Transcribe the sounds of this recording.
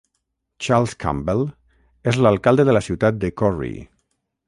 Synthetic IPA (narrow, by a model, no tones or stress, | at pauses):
t͡ʃalˠskʰa̰mbel | ezləlˠkalˠd̪əðəlasiwt̪at̪̚d̪əkɔrḭ